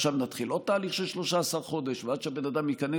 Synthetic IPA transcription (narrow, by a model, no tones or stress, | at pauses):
ʃavnat̪χilʔot̪ːaːliχʃelʃlo̞ʃaːsaʁχo̞d̪eʃvead̪ʃeabenad̪amjikane